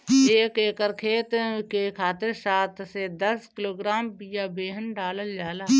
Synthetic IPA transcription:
eːkeːkəɾkʰeːt̪kekʰaːt̪ɪɾsaːt̪ʰsed̪ɐskɪloːɡɾaːmpijabeːɦənɖaːləld͡ʒaːlaː

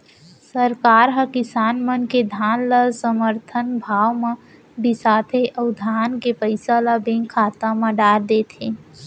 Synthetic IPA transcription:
səɾkaːɾɦə̃kɪsaːnmənked̪ʱaːnləsəməɾt̪ʰənbʱaːwmẽ | bisaːt̪ʰeʔəʊd̪ʱaːnkepəɪsaləbẽŋɡkʰaːt̪amə̃ɖaːɾd̪et̪ʰẽ

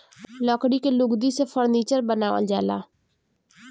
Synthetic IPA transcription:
lɔːkɽikelʊɡd̪isefʰəɾniːt͡ʃəɾbənaːʋə̰ld͡ʒaːla̰ː

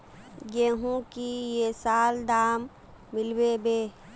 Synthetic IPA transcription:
jeːɦũkijesaːld̪aːmː | ɪlbebeː

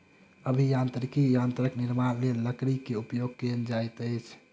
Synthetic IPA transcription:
əbʱijãnt̪ɾikijãnt̪ɾəkniɾmaɾlelːəkɾikeupjoɡ̚kend͡ʒajt̪əjt͡ʃʰ

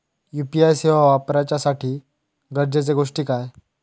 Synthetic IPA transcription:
jupiajseʋaʋapɾat͡ɕasaʈʰiː | ɡəɾd͡ʑet͡seɡoʂʈiːkaj

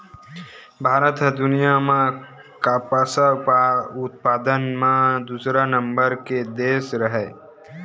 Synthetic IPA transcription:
bʱaːɾət̪d̪ʊnijamã | kapasa | ʊt̪̚paːd̪ənmãd̪usɾanəmbəɾked̪eːsɾəɦɛ

